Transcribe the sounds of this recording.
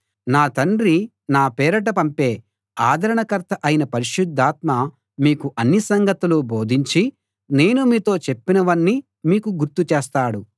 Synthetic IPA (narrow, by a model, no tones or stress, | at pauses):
naːt̪ɐɳɖɾi | naːpɛːɾɐʈ̬ɐpɐmpeː | aːd̪ʱɐɾɐɳɐkɐɾt̪ʰɐʔɐjinɐpɐɾiʃud̪ʱːaːt̪mɐ | miːkuʔɐnːisɐŋɡɐt̪uluboːd̪ʱiɲt͡ʃi | ne̞ːnumiːt̪o̞ːt͡ʃe̞pːinɐʋɐnːi | miːkuɡuɾt̪ut͡ʃeːst̪aːɽu